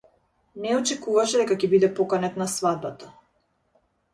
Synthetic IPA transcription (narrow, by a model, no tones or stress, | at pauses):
nɛɔt͡ʃɛkuvaʃɛd̪ɛkacʲɛbid̪ɛpɔkanɛt̪nasvad̪̚bat̪ḁ